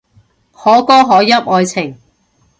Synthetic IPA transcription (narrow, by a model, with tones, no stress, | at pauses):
hɔː˨˥kɔː˥ɦɔː˨˥jɐ˥p̚ɔː˧jt͡sʰɪ˨˩ŋ